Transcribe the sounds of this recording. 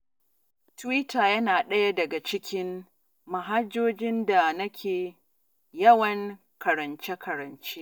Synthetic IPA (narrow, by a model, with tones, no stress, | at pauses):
twi˦taː˨jɐ˦naː˨ɗɐ˦ja˦dɐ˨ɡa˨t͡ʃɪ˦kʲɪ˦m | ma˨ɦa˦d͡ʒːoː˦d͡ʒɪ˦nda˨nɐ˦kʲʰeː˨ | jɐ˦wɐ˨ŋ | kɐ˨ɾɐ˨nt͡ʃe˦kɐ˨ɾɐ˨nt͡ʃe˦